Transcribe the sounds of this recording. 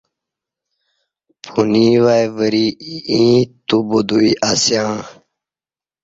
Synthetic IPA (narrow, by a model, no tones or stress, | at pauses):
pʰuniːwajvəɾiĩt̪ubod̪uiʔasjãː